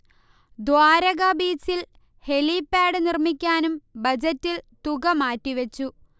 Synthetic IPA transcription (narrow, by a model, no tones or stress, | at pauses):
d̪waːɾɐɣɐbiːsil | he̞lipːaːɽɨnirmikʲːaːnumbɐd͡ʑɐtːilt̪uɣɐmaːtːiʋɐt͡ɕːu